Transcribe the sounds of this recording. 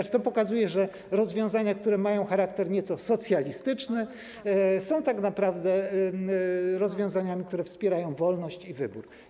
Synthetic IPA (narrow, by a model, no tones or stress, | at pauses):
t͡ʂt̪ɔpɔkazujɛʐɛ | ɾɔzvʲjɔ̃w̃zaɲakt̪uɾɛmajɔ̃w̃xaɾak̚t̪ɛɾɲɛt̪sɔsɔt̪sʲjalʲist̪ɘt͡ʂnɘ | sɔ̃w̃t̪aknapɾavd̪ɛ | ɾɔzvʲjɔ̃w̃zaɲamʲik̚t̪uɾɛfspʲjɛɾajɔ̃w̃vɔlnɔɕt͡ɕivɘ̰bṵɾ